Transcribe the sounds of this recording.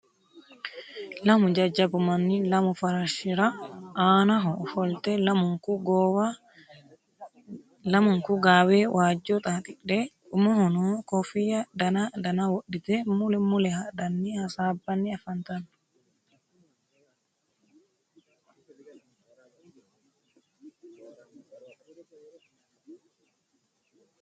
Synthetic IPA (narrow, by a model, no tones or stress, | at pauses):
lamud͡ʒad͡ʒabumanːilamufaɾaʃiɾaʔaːnaɦɔfɔlt̪ɛlamukuɡ | lamuŋkuɡaːwɛwʔaːd͡ʒːɔt̪ʼat̪iɗɛɗumahɔnɔkɔfijadanadanawoɗːit̪ɛmulɛmulɛhadanːihasabanːiafant̪an